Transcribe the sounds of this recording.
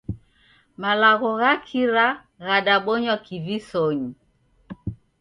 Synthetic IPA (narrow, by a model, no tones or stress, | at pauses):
malaɣɔɣakʰiɾa | ɣaɗaɓɔɲwakʰivisɔɲi